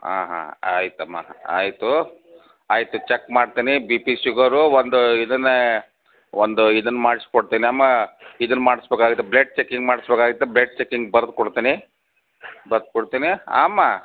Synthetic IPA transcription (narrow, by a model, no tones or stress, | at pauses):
a̰ːɦa̰a̰ːjit̪uɐmːa̰a̰ːjit̪u | aːjit̪ut͡ʃekːmaːɽt̪iːnibiːpisuɡɐɾuʋond̪uid̪ɐnːɐ | ond̪uid̪unːɐmaːɽiskoɽt̪iniaːmːaid̪unːmaːɽisbeːkaːɡit̪ːebleɖ̚t͡ʃekːiŋɡmaːɽisbekaːɡit̪ːebleɖ̚t͡ʃekːiŋɡbɐɾd̪kɔɽt̪iːni | bɐɾd̪̚koɽt̪iːnia̰ːmːa